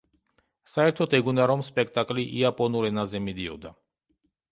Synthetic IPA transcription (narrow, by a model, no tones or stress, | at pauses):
saɛɾt̪ʰɔt̪ʰɛɡunaɾɔmspʼɛk̚ʰt̪ʼakʼliʔiapʼɔnuɾɛnazɛmid̪iɔ̰d̪a